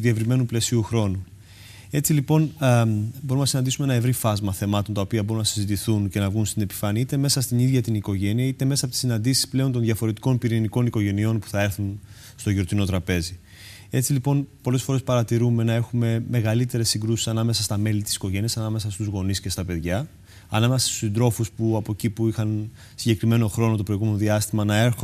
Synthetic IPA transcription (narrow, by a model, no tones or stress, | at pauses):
uðie̞vɾime̞nuple̞siuxɾo̞nu | e̞t͡silipo̞n | bo̞ɾumnɐsinɐnd̪isumenɐe̞vɾifɐzmɐθe̞mɐt̪o̞nt̪ɐopiɐbo̞ɾunɐsizit̪iθunce̞nɐvɣunst̪ine̞pi̥fɐniit̪e̞me̞sɐst̪iniðʝɐt̪iniko̞ʝe̞niɐit̪e̞me̞sɐpot̪isinɐnd̪isi̥sple̞o̞nt̪onðʝɐfo̞ɾe̞t̪i̥ko̞npiɾiniko̞niko̞ʝe̞nio̞npu̥θɐe̞ɾθun | st̪o̞ʝiot̪ino̞t̪ɾɐpe̞zi | e̞t͡silipo̞npo̞le̞sfo̞ɾe̞spɐɾɐt̪iɾume̞nɐe̞xume̞me̞ɣɐlit̪e̞ɾe̞sːiŋɡɾusi̥sɐnɐme̞sɐst̪ɐme̞lit̪i̥si̥ko̞ʝe̞niɐsɐnɐme̞sɐst̪uzɣo̞nisce̞st̪ɐpe̞ðʝɐ | ɐnɐmesɐst̪u̥sind̪ɾo̞fuspuɐpo̞cipuixɐn | siɲɟe̞kɾime̞no̞xɾo̞no̞t̪̬opɾo̞iɣumeno̞ðiɐst̪imɐnɐe̞ɾxo